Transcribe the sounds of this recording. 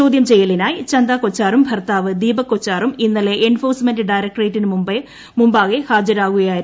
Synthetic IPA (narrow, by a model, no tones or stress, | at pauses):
oːd̪jɐmt͡ɕejːɐlinaːjt͡ɕɐnd̪aːkot͡ɕːaːrumbʱɐrt̪aːʋɨd̪iːbɐkːot͡ɕːaːruminːɐleʔenfoːrsmendɨɖajɾɐk̚ʈrejʈːinɨmumbe | mumbaːɣehaːd͡ʑɐɾaːɣuɣɐjaːj